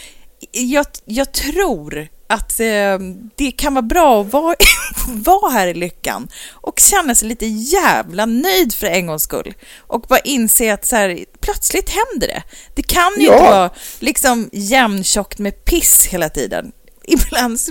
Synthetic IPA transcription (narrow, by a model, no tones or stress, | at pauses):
jɑːɡjɑːɡt̪ʰɾuːɾat̪ | d̪̥ɛkʰanvɑːbɾɑːɔvɑːɔvɑːɦæːɾɪlʏkːa̰nʔɔkɕɛnːasɛjliːt̪əjæːvlanœjd̪fœɾɛnɡɔŋskɵ̰lː | ʔɔkbɑːɾaʔɪnseːat̪sæːɾpʰlœt̪slɪt̪hɛnd̪əɖɛ̰d̪̥ɛkʰanjʏt̪əvɑːlɪksɔmjɛmnɕɔkːt̪mɛpʰɪsheːlat̪ʰḭːd̪ə̰n | ɪbland̪